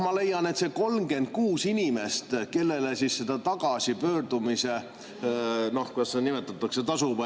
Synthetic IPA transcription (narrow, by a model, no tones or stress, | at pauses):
mɑle̞jːɑne̞t̪se̞ko̞lmɡe̞nd̪̥̚kuːsinʲime̞st̪ke̞lːe̞lesissed̪̥ɑt̪ɑɡ̥ɑsipø̞ːrd̪̥umise̞ | nohkud̪ɑsːenimet̪ːˑɑt̪ːˑɑkse̞t̪ɑsubɑ